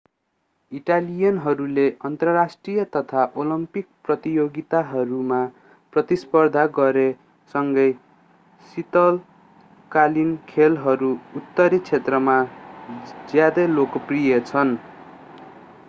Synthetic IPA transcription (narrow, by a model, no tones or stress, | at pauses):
iʈalijʌnɦʌɾuleʌnt̪rʌrasʈrijʌt̪ʌt̪ʰaʔolʌmpik̚prʌt̪ijoɡit̪aɦʌɾuma | prʌt̪ispʌrd̪ʱaɡʌɾe | sʌŋɡʌj | sit̪ʌl | kalinkʰelɦʌɾuːt̪ːʌɾit͡sʰet̪rʌma | d͡zjad̪ʌjlokʌprijʌt͡sʰʌn